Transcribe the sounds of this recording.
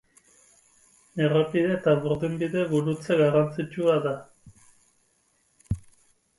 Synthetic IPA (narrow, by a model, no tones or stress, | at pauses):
eropiðet̪aβuɾðimbiðe̞ɣuɾut͡seɣarant͡sit͡ʃuaða